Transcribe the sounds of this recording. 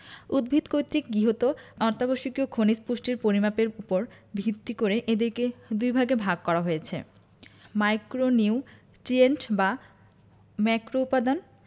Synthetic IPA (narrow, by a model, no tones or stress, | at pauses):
ud̪̚bʱit̪kojt̪ɾikɡiɦot̪onɔɾt̪aboʃikiokʰonispuʃʈiɾpoɾimapeɾupoɾbʱit̪ːikoɾeʔed̪eɾked̪ujbʱaɡebʱaɡ̚kɔɾaɦojet͡ɕʰḛ | majkɾoniwʈɾienʈba | mɛkɾoupad̪on